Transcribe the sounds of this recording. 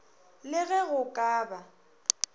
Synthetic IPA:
lɪɣɛɣʊkʼaːba

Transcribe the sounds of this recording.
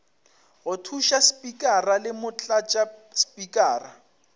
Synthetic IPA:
ɣʊtʰuʃaspʼikʼaralɪmʊt͡ɬʼat͡ʃʼaspʼikʼaːra

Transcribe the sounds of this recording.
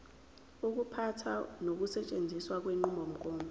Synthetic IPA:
uk̬upʰatʰanok̬usɛt͡ʃʼend͡zʱiswak̬weŋ͡ǃimbʱom̩kʼoːmbʱɛ

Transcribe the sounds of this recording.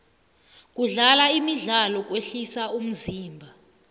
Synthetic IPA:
k̬ʼuɮalaimiɮalɔk̬ʼweɬisaum̩ziːmbʱa

